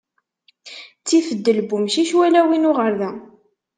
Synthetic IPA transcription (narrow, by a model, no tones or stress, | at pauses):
t͡sːifəd̪ːəlbumʃiʃwælæwinʊʁəɾðæ